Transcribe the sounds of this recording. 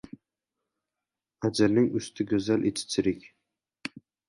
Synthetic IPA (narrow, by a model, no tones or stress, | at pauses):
ad͡ʒɪɾnɪŋʊst̪ʰɪɡʲɵzalʔet͡ʃ̪ʰɪ̥t͡ʃʰɪɾɪkʲ